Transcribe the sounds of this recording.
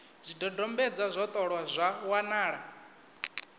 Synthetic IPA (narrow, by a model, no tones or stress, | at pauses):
zʷidɔdɔmbɛd͡zazʷɔt̪ʼɔɺwazʷawanaːɺa